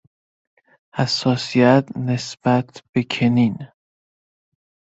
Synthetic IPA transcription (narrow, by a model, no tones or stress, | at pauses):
hæsːɒːsijæt̪ʰnesb̥æt̪ʰb̥e̞kʰenin